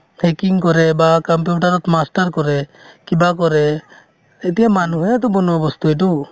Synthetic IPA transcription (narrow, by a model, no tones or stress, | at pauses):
tʰɛkiŋkɔɾɛbakɔmp̬juʈaɾɔt̪masʈaɾkɔɾɛkibakɔɾɛ | ɛt̪ɛjamanuɦɔjat̪ɔbɔnɔabɔst̪uɛʈu